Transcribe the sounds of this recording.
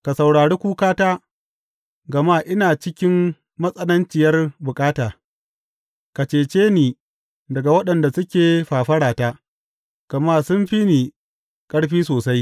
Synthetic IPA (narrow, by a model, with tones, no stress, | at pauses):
ka˨sɐ˨wɽaː˨ɽeː˦kʷuː˦kaː˦taː˦ | ɡɐ˨maː˦ʔɪ˦naː˨t͡ʃɪ˦kʲɪ˦mː | ɐ˦sʼɐ˦lɐ˦nt͡ʃɪ˨jɐ˦rbʊ˨kʼaː˦taː˨ | ka˨t͡ʃeː˨t͡ʃeː˦niː˨ | dɐ˨ɡa˨wɐ˦ɗɐ˨nda˨sʊ˦kʲeː˨ɸaː˨ɸɐ˦ɽaː˨taː˦ | kɐ˨maː˦sʊ˦mɸi˦niː˨ | kʼɐ˦ɽɸiː˦soː˨sa˦j